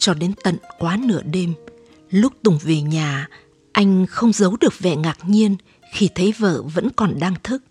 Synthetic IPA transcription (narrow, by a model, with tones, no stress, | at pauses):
t͡ɕɔ˧ɗe˨˦nt̪ə̰˧˨nkwaː˨˦nɨ̰˧˩əɗe˧m | lʊ˦˥k͡p̚t̪ʊ˨˩ŋ͡mve˨˩ɲaː˨˩ | ʔa˧jŋ̟xə˧wŋ͡mzə˨˦wɗɨ˨˩ək̚vɛ̰˧˨ŋaː˨˩k̚ɲi˧ən | xi˧˩t̪ʰə˨˦jvə̰ː˧˩və̰˧˥nkɔ˨˩nɗaː˧ŋt̪ʰɨ˦˥k̚